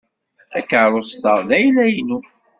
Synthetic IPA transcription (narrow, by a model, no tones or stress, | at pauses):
ækːəʕɾˤost̪ɑʁˤnæjlæjnu